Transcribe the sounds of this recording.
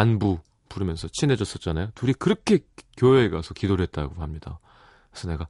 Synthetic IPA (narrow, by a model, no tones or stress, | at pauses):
anbu | puɾɯmjʌnsʰʌt͡ɕʰine̞d͡ʑʌs͈ʌt̚t͡ɕ͈anajotuɾikɯɾʌkʰe̞kjoeːɡasʰʌkidoɾet̚t͈aɡoɦamɲida̰ | esʰʌne̞ɡa